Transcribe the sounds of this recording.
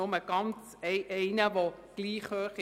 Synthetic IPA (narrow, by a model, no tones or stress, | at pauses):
ʊməɡ̥ɑnt͡s | ɛɪʔɛɪnəʋo | ɡ̥liːχhøːχ